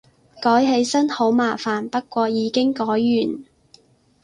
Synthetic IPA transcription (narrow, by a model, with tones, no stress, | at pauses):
kɔː˨˥jɦe˨˧jsɐ˥nho˨˥wmaː˨faː˨˩npɐ˥t̚kʷɔː˧jiː˨˧kɪ˥ŋkɔː˨˥jːyː˨˩n